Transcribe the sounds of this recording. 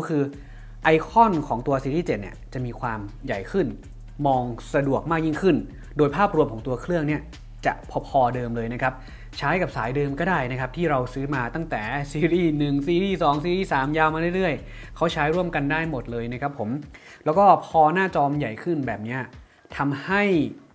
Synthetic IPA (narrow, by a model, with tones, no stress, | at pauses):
kʰɯː˧ | ʔa˧jkʰɔ˥˩nkʰɔː˩˦ŋt̪u˧ɐsiː˧ɾiː˥˩t͡ɕe˨˩t̪̚nḭ˥˩ɐt͡ɕa˨˩ʔmiː˧kʰwaː˧mja̰˨˩jkʰɯ˥˩n | mɔː˧ŋsa˧du˨˩ək̚maː˥˩k̚ji˥˩ŋkʰɯ˥˩n | doː˧jpʰaː˥˩p̚ɾu˧əmkʰɔ˩˦ŋt̪u˧ɐkʰlɯ˥˩əŋni˥˩ɐ | t͡ɕa̰˨˩ʔpʰɔː˧pʰɔː˧dɤː˧mlɤː˧jna˦˥kʰa˦˥p̚ | t͡ɕʰaː˦˥jka˨˩p̚saː˩˦jdɤː˧mkɔː˥˩daː˥˩jna˦˥kʰa˦˥p̚t̪ʰiː˥˩ɾa˧wsɯː˦˥maː˧t̪a˥˩ŋt̪ɛː˨˩˦siː˧ɾiː˥˩nɯ˨˩ŋsiː˧ɾiː˥˩sɔː˩˦ŋsiː˧ɾiː˥˩saː˩˦mjaː˧wma˧ɾɯ˥˩˨jɾɯ˥˩əjkʰa˦˥wt͡ɕʰaː˦˥jɾu˥˩əmka˧ndaː˥˩jmo˨˩t̪̚lɤː˧jna˦˥kʰa˦˥pʰːo˩˦m | lɛː˦˥wkɔː˥˩pʰɔː˧naː˥˩t͡ɕɔː˧mja˨˩jkʰɯ˥˩nbɛː˨˩p̚ni˦˥ɐ | t̪ʰa˧mha˥˩j